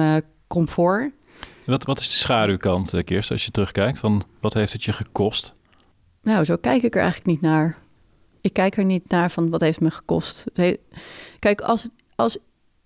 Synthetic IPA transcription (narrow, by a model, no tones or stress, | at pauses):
kɔmfʊːɹ | ʋɑtʋɑtɪsdəsχaːdywkɑntkɪɹstɑ̰ʃjətərɵχkɛjk̚tfɑnʋɑtɦejftətjəχəkɔst | nowzowkɛjkɪkəɹʔɛ̰jχələknitnaːɹ | ɪkːɛjkɛɹnitnaːɹvɑnʋɑtɦejftməχə̥kɔ̰stətekɛjkɑ̰lˠsət | ɑlˠs